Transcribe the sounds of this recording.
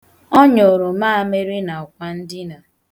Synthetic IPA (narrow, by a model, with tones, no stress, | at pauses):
ɔ˦ɲo˨ɾo˨maː˦a˦me˦ɾi˦na˨ʊ˨kʷa˦n̩˦dɪ˦na˨